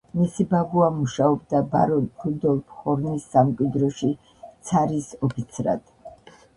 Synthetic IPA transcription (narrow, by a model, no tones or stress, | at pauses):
misibabuamuʃaɔbd̪abaɾɔɾud̪ɔlˠpʰχɔɾnisːamkʼwid̪ɾɔʃi | t̪sʰaɾisɔpʰit̪sʰɾa̰d̪̥